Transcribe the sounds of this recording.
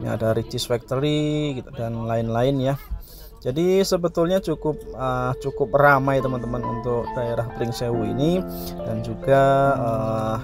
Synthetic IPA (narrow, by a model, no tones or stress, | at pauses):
ɲa̰a̰daɾit͡ʃɪsfɛk̚t̪əɾidanlaɪnlaɪnja | d͡ʒadisəbət̪ʊlɲat͡ʃukʊp̚ət͡ʃukʊp̚ramajt̪əmant̪əmanṵnt̪ʊk̚d̪aeɾahpɾɪŋsewuḭnidand͡ʒuɡaə